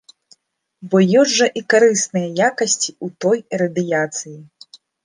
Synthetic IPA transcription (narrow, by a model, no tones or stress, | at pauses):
bɔjɔʐɐʔikaɾɨsnɨjɐjakɐsʲt͡sʲi̥ut̪ɔjiɾɐd̪ɨjat̪sɨji